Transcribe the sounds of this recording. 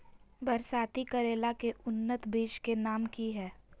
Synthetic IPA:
bɐɾsaːt̪ikɐɾeːlakeʔʊnːət̪beːʃkenaːmkiɦɛː

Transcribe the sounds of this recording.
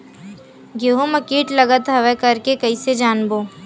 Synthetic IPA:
ɡeːɦomɐkiːʈlɐɡət̪ɦɐʋɛkɐɾkekɐised͡ʒaːnboː

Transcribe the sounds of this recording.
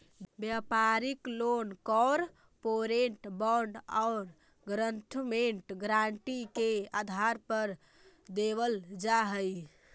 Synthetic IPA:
bjapaɾiklonkɔɾ | poɾeɳʈbɔɳɖaɾ | ɡɾənt̪ʰmeɳʈɡɾaɳʈikead̪ʱaɾpəɾ | d̪eβəld͡ʒaɦəj

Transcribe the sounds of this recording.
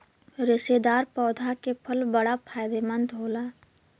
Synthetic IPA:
ɾɪsed̪aːɾpɔːd̪ʱakepʰəlbəɽapʰaːjd̪emə̃nt̪ɦoːlaː

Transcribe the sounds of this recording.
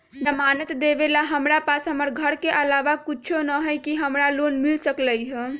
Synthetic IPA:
d͡ʒəmanət̪d̪ebelaɦəmɾapasɦəməɾɡʱəɽkeʔəlaʋakut͡ʃʰonəɦəjkiɦəmɾalonmilsəkləjɦə̃

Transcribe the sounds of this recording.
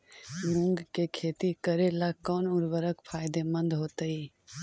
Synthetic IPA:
mʊ̃ŋɡkekʰeːt̪ikəɾelakɔːnʊɾʋəɾəkpʰaːɪd̪emə̃nd̪ɦoːt̪əi

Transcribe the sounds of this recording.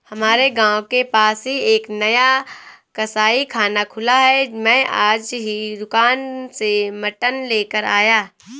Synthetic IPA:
hɐmaːɾeɡãːõkepaːsɦieːknɐjakɐsaːikʰaːnakʰʊlaɦɛmɛ̃ːʔaːd͡ʒɦiɾʊkaːnsemɐʈənleːkəɾaːjaː

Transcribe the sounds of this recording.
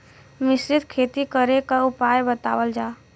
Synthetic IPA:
mɪsɾɪd̪kʰet̪ikəɾekaupajbət̪aːwəld͡ʒaː

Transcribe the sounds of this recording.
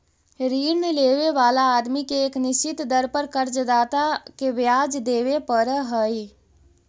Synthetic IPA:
ɾinleʋeʋalaːd̪mikeːknist͡ʃit̪d̪əɾpəɾkəɾt͡ʃd̪at̪akeʋjad͡ʒd̪eβepəɾɦəj

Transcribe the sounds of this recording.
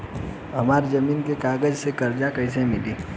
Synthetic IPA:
ɦɐmaːɾd͡ʒɐmiːnkekaːɡəd͡ʒsekɐɾd͡ʒakɐɪs̬emɪliː

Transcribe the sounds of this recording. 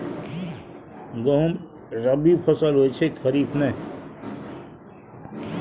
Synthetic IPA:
ɡoɦm | ɾəbipʰəsəlɦojt͡ʃʰekʰəɾiːpʰnẽ

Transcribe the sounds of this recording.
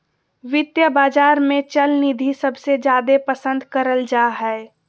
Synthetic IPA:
ʋɪt̪jəbaːd͡ʒaːɾmẽt͡ʃəlnid̪ʱisəbsed͡ʒjaːd̪epəsə̃nd̪ʱkəɾəld͡ʒaɦɛe

